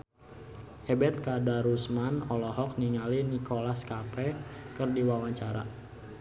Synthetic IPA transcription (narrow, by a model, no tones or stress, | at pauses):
ʔɛbɛt̪̚kadaɾusmanɔlɔɦɔk̚niŋalinikolaskapɛkərdiwawaɲt͡ʃaɾa̰